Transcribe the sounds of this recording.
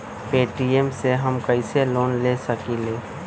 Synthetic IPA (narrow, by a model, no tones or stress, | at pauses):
peːʈiemseɦəmkəɪseloːnleːsəkileː